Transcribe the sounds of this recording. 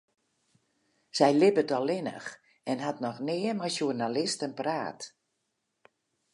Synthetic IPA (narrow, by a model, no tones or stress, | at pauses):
sɛjlɪbətɔlˠɪnə̰x | ɛnɦatnɔxnɪːəmajsjurnalɪstənpraːt